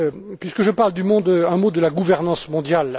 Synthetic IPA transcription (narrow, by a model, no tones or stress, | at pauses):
pɥiskəʒəpaʁld̪ymɔ̃d̪əɛ̃mod̪əlaɡuvɛʁnɑ̃smɔ̃d̪jal